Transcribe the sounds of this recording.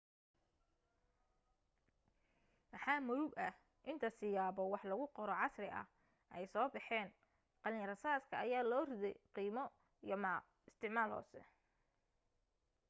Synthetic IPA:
mɑħɑːmʊðʊɡɐh | ʔɪnt̪ʰɐsɪjaːbɔwɑħlɐɣʊqɔɾɔʕɑsrɪʔɐ̰h | ʔɛjsɔːbɑħɛːn | qɑlɪŋrɐsaːskʰɐɐjaːlɔːrɪðɛjqiːmɔ | jɐma | ɪst̪ʰɪʕmaːlhɔ̰ːsɛ̰

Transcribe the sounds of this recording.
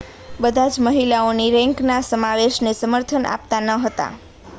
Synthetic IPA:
bəd̪ʱad͡ʒməɦilaoniɾɛ̃ŋknasəmaʋeʃnesəməɾt̪ʰənʔa̰p̚t̪anəɦət̪a̰

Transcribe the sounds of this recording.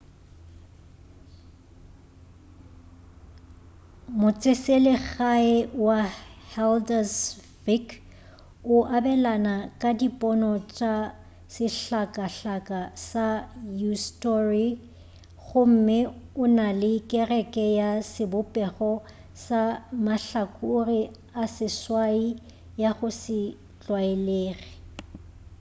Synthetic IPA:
mʊt͡sʼɪselɛɣaɪwahɛldas | fik | ʊʔabɛlanakʼadipʼɔnɔt͡ʃʼa | sɪɬakʼaɬakʼasajustɔri | ɣʊm̩mɪʊnalɪkʼɛrɛkʼɛjasɪbʊpʼɛɣɔ | samaɬakʼʊri | asɪswai | jaɣʊsɪ | t͡ɬʼwaeleːri

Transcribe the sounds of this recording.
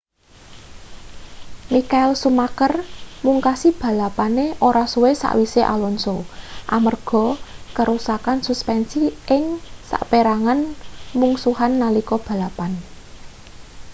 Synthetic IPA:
mikaɪlsumakərmuŋkasib̥ä̤lapaneʔoɾasuwesa̰ʔwiseʔa̰lɔnsoʔamərɡ̥ɔ̤kəɾusakansuspɛnsiʔɪŋsa̰ʔpeɾaŋanmuŋsuɦanːalikɔb̥ä̤lapan

